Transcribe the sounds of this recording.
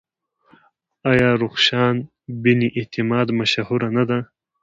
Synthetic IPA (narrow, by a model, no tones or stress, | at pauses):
ajaːɾuxʃaːn | biniʔit̪imɑːd̪mɐʃahuɾanad̪a